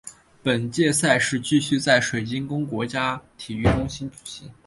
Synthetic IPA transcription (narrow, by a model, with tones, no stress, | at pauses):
pə˨˩nt͡ɕjɛ˥˧sa˥˧ɪʂɻ̩˥˧t͡ɕy˥˧ɕy˥˧t͡sa˥˩ɪʂwe˨˩ɪt͡ɕi˥nkʊ˥ŋkwɔ˧˥t͡ɕja˥t̪ʰi˨˩y˥˩ʈ͡ʂʊ˥ŋɕi˥npʰu̥˨˩ɕi˥˩ŋ